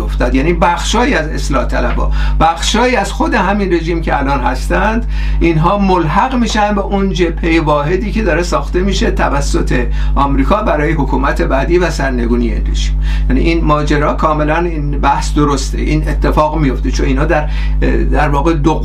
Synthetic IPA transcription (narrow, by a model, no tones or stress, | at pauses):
oft̪ɒːd̪jæːniːbæxʃɒːiæze̞̰slɒːht̪ʰælæbɒ̰ːb̥æxʃɒːiːæzxo̞d̪e̞ɦæminre̞ʒiːmcʲʰeælɒːnɦæst̪ænd̪ | ʔinɦɒːmolɦæɣmiːʃænd̪beʔond͡ʒepʰːejevɒːɦe̞d̪iːcʰe̞d̪ɒːɾe̞sɒːxt̪e̞miːʃe̞t̪ʰævæsːot̪ʰe̞ | ʔɒːmɾiːkʰɒːbæɾɒːjeɦokʰuːmæt̪ʰe̞bæːd̪iːvæsæɾne̞ɡuːnijeḭnrḛʒiːm | jæːnḭʔinmɒːd͡ʒeɾɒːkʰɒːme̞læninbæhsd̪oɾost̪ḛʔiːne̞t̪ʰːe̞fɒːɣmijo̞ft̪e̞t͡ʃʰoniːnhɒːd̪æɾ | d̪æɾvɒːɣed̪o